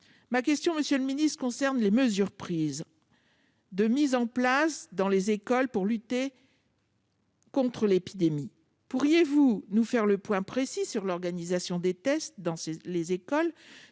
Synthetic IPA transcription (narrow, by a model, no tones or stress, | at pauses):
makʲɛst̪jɔ̃məsjøləminist̪kɔ̃sɛʁnleməzyʁpχiz | d̪əmizɑ̃plasd̪ɑ̃lezekɔlpuʁlyt̪e | kɔ̃t̪χəlepid̪emi | puʁjevunufɛʁləpwɛ̃pχesisyʁlɔʁɡanizasjɔ̃d̪et̪ɛst̪̚d̪ɑ̃selezekɔl